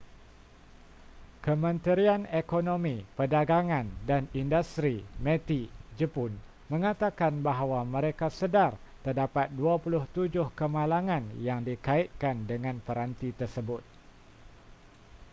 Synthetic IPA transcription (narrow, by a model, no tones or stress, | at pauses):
kəmə̃nt̪əɾianekonomipədaɡaŋãndanindust̪ɾimɛ̃t̪id͡ʒəpʊn | mə̃ŋat̪akanbaɦwamə̃ɾekasədar | t̪ərdapat̪̚duapulʊht̪ud͡ʒʊhkəmalaŋãnjaŋdikait̪̚kandəŋãnpəɾant̪it̪ərsəbʊt̪̚